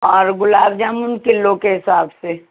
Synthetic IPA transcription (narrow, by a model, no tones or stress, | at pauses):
ɔːɾɡʊlaːbd͡ʒaːmunkɪlːõkeɦɪsaːbse